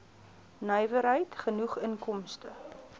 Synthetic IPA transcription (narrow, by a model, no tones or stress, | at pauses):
nœjvəɾɦəjtχənuχənkɔmstə